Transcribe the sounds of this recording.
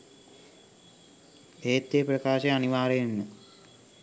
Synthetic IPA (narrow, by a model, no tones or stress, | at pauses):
eːt̪ːeːpɾɐkaːʃeɐniʋaːɾejenːə